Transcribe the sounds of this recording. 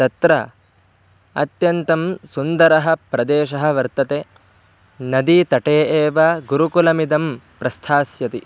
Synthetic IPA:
t̪ɐt̪ɾɐ | ɐ̰t̪jɐnt̪ɐmsund̪ɐɾɐɦɐ̆pɾɐd̪eːʃɐɦɐ̆ʋɐɾt̪ɐt̪e | nɐd̪it̪ɐʈeːʔeːʋɐɡuɾukulɐmid̪ɐmpɾɐst̪ʰaːsjɐt̪i

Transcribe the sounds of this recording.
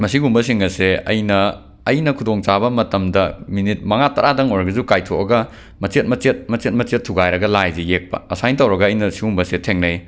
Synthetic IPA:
mɐsiɡumbɐs̬iŋɐseɐ̰jnɐː | jnɐkʰudoŋt͡ʃabɐmɐtɐmdɐminit̚mɐŋatɐɾadɐŋojɾɐɡɐzukajtʰoʔɐɡɐ | mɐt͡ʃet̚mɐt͡ʃet̚mɐt͡ʃet̚mɐt͡ʃetʰːuɡajɾɐɡɐlajzejek̚pɐ̰ɐsajntɐwɾɐɡɐːjnɐsiɡumbɐsetʰeŋnɐj

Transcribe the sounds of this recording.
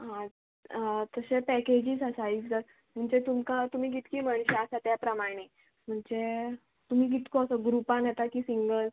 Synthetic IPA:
ɦã | t̪əɕepɛked͡ʑiːsəsaiːt͡sd̪əɾ | m̤əɳd͡zet̪umkat̪um̤iːk̬it̪kiːm̤əɳ̃ɕaəsat̪japɾəmaɽ̃e | m̤əɳd͡ze | t̪um̤iːk̬it̪koəsəɡɾupãnjet̪akiːsiŋɡəl

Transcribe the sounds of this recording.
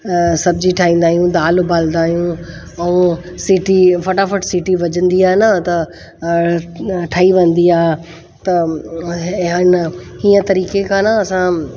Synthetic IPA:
sɐbʱd͡ʑiʈʰaːɦĩːn̆d̪aːɦijũd̪aːlbaːlnd̪aːɦijũ | ɛ̃siːʈifɐʈafəʈsiːʈiʋɐd͡ʑə̃nd̪iaːɦnət̪ɐ | ʈʰaːiʋɐ̃nd̪iaː | t̪ɐ | ənɦiːə̃t̪ɐɾiːkekãːnəɐsã

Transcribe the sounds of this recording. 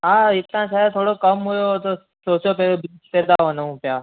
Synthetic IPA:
ɦãit̪ːãsaat̪ʰoːɽokəmɦujot̪o | sosjopeped̪aɦonəʋũpja

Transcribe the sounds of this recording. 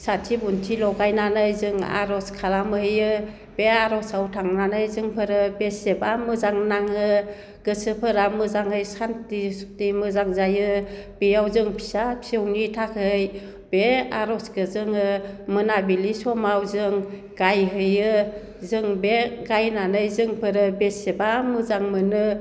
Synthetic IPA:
satʰibuntʰilɔɡajnanɯjzɯŋa̰ɾɔskʰalamɯhɯjɯ | b̥eaɾɔsawtʰaŋnanɯjzɯŋpʰɯɾɯbesebamɯzaŋnaŋɯ | ɡ̥ɯsɯpʰɯɾamɯzaŋhɯjsantistimɯzaŋzajɯb̥ijawzɯŋpʰi̥sapʰi̥sewnitʰakʰɯj | beaɾɔskɯzɯŋɯmɯnabilisɔmawzɯŋ | ɡ̥ajɦɯjɯ | zɯŋbeɡajnanɯjzɯŋpʰɯɾɯbesebamɯzaŋmɯnɯ

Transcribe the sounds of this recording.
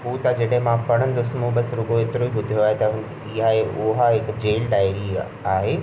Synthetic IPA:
ɦuːt̪ɐd͡ʑɐɗə̃ɦẽmãpɐɽ̤̃ə̃n̆d̪osmũbɐsɾʊɡoeːt̪ɪɾoibʊd̪ʱijoaːɦet̪ɐ | iɦaeʔʊɦaɦɪkd͡ʑeːlɖaːɪɾi | aːɦeː

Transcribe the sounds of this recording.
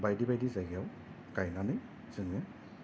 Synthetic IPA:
bajdibajdizaɡɛw | kajnanɯ | zɯŋɯ

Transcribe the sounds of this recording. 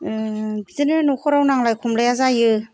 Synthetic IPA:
bizɯnɯnukʰɔɾawnaŋlajkʰumlajazajɯ

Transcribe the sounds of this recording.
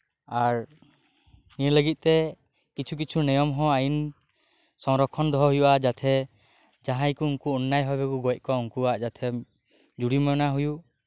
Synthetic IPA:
aɾ | niɾləɡit̪̚ˀt̪ɛ | kit͡ʃʰuk̬it͡ʃʰunɛjɔmɦɔ̃ajin | sɔŋɾɔkʰːɔnd̪ɔɦɔɦujuʔad͡ʒat̪ʰɛ | d͡ʒaɦãjkuuŋkuɔnːajɦɔbɛkuɡɔjc̚ˀkɔuŋkuaʔd͡ʒat̪ʰɛ | d͡ʒuɽimɔnaɦuju

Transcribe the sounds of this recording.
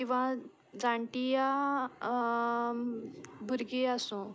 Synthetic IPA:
kĩʋa | d͡zaɳʈija | bʱuɾɡiasũ

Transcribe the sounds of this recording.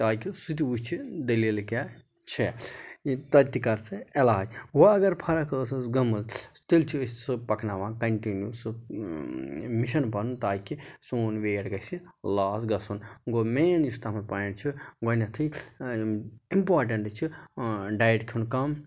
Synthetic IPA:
t̪aːjkisut̪̬iut͡ʃʰid̪ɐlilka | t͡ʃʰe | t̪ɐt̪ikɐɾt͡sɨelaːd͡ʒwɐɐɡɐɾpʰɐɾɐkʰəːsɨsɡɐmɐlst̪ilt͡ʃʰissɨpɐknaʋãːkɐɳʈinjusɨ | miʃɐnpɐnut̪aːkisoːnʋeːʈɡɐsilaːsɡɐsunɡomenjust̪amɐɾpant͡ʃʰiɡonɐt̪ʰɨ | impaːɾʈɐɳʈt͡ʃʰiɖajʈkʲʰunkɐm

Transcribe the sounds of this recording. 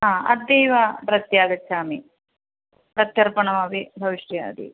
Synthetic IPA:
ɦaːɐ̰d̪ːɐjʋapɾɐt̪jaːɡɐt͡ʃʰːaːmi | pɾɐt̪jɐɾpɐɳɐʋaːbibʱɐʋiʂʈja̰ːd̪ḭ

